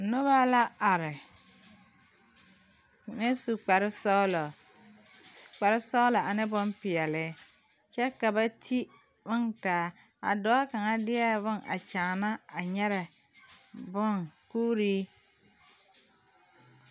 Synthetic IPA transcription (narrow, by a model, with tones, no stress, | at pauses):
nʊ˦βa˦la˦a˨ɾɪ˨ | nɪ˦su˨k͡pa˨ɾɪ˦sɔ˦lɔ˨ | k͡pa˨ɾɪ˦sɔ˦lɔ˨a˨nɪ˦bʊ˦mpɪ˨ɛ˨lɪ˦ | t͡ʃɛ˦ka˨ba˦tʰi˦ | wʊ˦ŋtaː˨˦ | a̰˨dɔ˨˦a˦ka˨ŋa˦dɪ˦ɛ˦bʊ˦ŋa̰˨t͡ʃaː˨na˦a˨ɲɛ˦ɾɛ˨ | bʊ˦˨ŋkuː˦ɾiː˦